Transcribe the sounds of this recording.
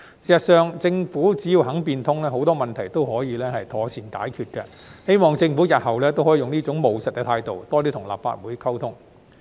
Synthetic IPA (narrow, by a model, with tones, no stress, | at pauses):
si˨sɐ˨t̚sœː˨ŋt͡sɪ˧ŋfuː˨˥t͡siː˨˥jiː˧wɦɐ˨˥ŋpiː˧nt̪ʰʊ˥ŋlɛː˥ɦo˨˥wt̪ɔː˥mɐ˨nt̪ʰɐ˨˩jt̪o˥wɦɔː˨˥jiː˨˧lɛː˥hɐ˨jt̪ʰɔː˨˩t͡sʰiː˨˩nt̪a̰ː˨˥jkʰyː˧t̚kɛ̰˧he˥jmɔː˨ŋt͡sɪ˧ŋfuː˨˥jɐ˨t̚hɐ˨wlɛː˥t̪o˥whɔ˨˥iː˨˧ʊ˨ŋniː˥t͡sʊ˨˥ŋmo˨wsɐ˨t̚kɛ˧t̪ʰaː˧jt̪o˨wt̪ɔː˥t̪iː˥t̪ʰʊ˨˩ŋla̰ː˨p̚fa̰ː˧t̚wuː˨˥jkʰɐ˥wt̪ʰʊ˥ŋ